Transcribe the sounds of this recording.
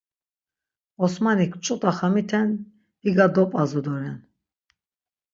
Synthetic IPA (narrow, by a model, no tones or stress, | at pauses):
ɔsmanikʰt͡ʃʼɔt̪ʼaχamit̪ʰɛn | diɡad̪ɔpʼazɔd̪ɔɾɛn